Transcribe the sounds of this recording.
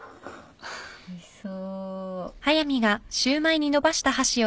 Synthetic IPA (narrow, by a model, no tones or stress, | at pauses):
soː | hajamʲiɡaɕɨːmaiɲ̟ino̞baɕi̥t̪ahaɕio